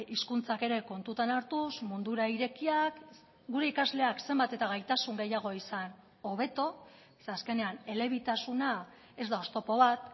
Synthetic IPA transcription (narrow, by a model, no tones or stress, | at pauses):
iskunt͡sake̞ɾe̞ko̞nt̪ut̪anaɾt̪usmund̪uɾaiɾe̞kiak | ɡuɾe̞ikazle̞akse̞mbat̪e̞t̪aɣ̞ajt̪asuŋɡe̞jaɣ̞o̞isan | o̞β̞e̞t̪o̞ | aske̞ne̞ane̞le̞βit̪asuna | e̞zd̪ao̞st̪o̞po̞β̞at̪